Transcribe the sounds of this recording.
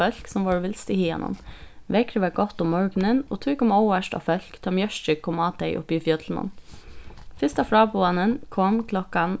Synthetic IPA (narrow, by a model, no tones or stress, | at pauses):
œlksɔmʋɑːɹʋɪlst̪ɪhiːɑ̰nɔ̰nʋɛkɾəʋɛɡɔt̪ːʊmːɔɹɡnənoːt̪ʰʉːkɔmɔʊʋəʃtɑ̰ːfœlkt̪ʰɑmjœʃtəkʰːɔmɑːt̪ʰɛɪʔʊ̰pːiːfjœd̪ln̩ɑ̰n | fɪst̪ɑfɾɑːbɔɑnənkʰɔmkʰlɔkɑn